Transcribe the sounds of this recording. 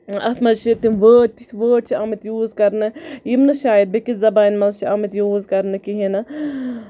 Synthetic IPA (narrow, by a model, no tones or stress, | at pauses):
ɐ̰t̪mɐlʃit̪inʋəːʈt̪isʋəːʈ̚t͡ʃʰiʔɐːmit̪juːzkɐɾnɨjimnɨʃaːjid̪̚bikizɐbaːnmɐlt͡ʃiɐmit̪juːzkɐɾnɨkiɦinɐ